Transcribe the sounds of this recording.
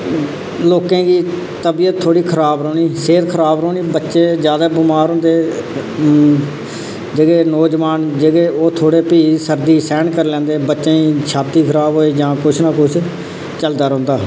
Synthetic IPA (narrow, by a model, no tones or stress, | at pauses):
loːkẽːɡiː | t̪əbijət̪ʰːoːɽiːkʰəɾaːbɾoːniːseːɾkʰəɾaːbɾoːniːbətːʃeːd͡ʒjaːd̪aːbʊmaːɾɦõːnd̪eː | d͡ʒeɡeːnɔːd͡ʒʋaːnd͡ʒeɡeːoːt̪ʰoːɽeːpiːsəɾd̪iːsɛ̃ːɳkəɾlɛ̃ːnd̪eːbətːʃẽːiːt͡ʃʰaːt̪iːkʰəɾaːbɦoːeːd͡ʒãːkʊt͡ʃʰnaːkʊt͡ʃʰ | t͡ʃəld̪aːɾə̃ːnd̪aː